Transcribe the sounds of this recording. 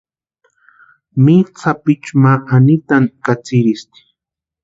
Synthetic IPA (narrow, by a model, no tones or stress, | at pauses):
mit͡sʰapɪt͡ʃmaʔanit̪ankat͡sɪɾist̪i̥